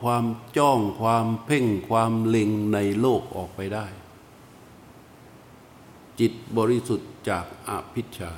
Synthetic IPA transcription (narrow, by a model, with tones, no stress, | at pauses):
kʰwaː˧mt͡ɕɔː˥˩ŋkʰwaː˧mpʰe˥˩ŋkʰwaː˧mle˧ŋna˧jloː˥˩k̚ʔɔ̰ː˨˩k̚pa˧jdaː˥˩j | t͡ɕi˨˩t̪̚bɔː˧ɾi˦˥su˨˩t̪̚t͡ɕaː˨˩k̚ʔa̰˧˩pʰi˦˥t̪̚t͡ɕʰaː˧